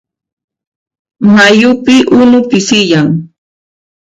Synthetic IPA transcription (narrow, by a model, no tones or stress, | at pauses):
majʊpɪʔʊnʊpɪsɪjaŋ